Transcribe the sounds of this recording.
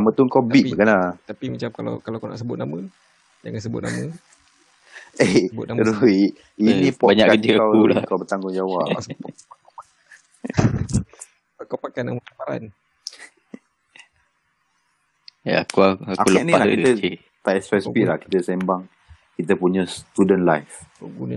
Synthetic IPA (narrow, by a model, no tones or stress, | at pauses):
amə̃t̪uəŋkawb̪itbəkanlat̪apimat͡ʃamkala̰kalaakana̰ʔsəbʊt̪̚namə | d͡ʒa̰ŋansəbʊ̰t̪̚na̰mə̃ | ebʊ̰t̪̚nɾui | inĩpɔbaɲakakəd͡ʒəakawulakawbət̪aŋɡʊŋd͡ʒawaʔ | akapak | akawpakanamətapaɾa̰n | jaakuaakaulənĩalakit̪ə | t̪aɛsɛspilahki̥t̪əsembaŋ | kit̪əpuɲə̃st̪udənlajfoɡunə